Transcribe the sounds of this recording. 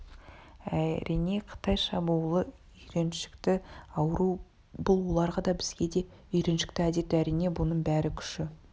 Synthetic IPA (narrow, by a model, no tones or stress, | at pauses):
æɾijne̞qʰə̥t̪ɑjʃɑbulˠə | ʏjɾe̞nʃɪ̥kt̪ɪɑwɾu | bʊlˠwo̞lˠɑɾʁɑd̪ɑbɪzɡʲe̞d̪e̞ | ʏjɾe̞nʃɪ̥k̚t̪ɪæd̪e̞t̪æɾijne̞bʊnəɴbæɾɪkʲʰʏ̥ʃɪ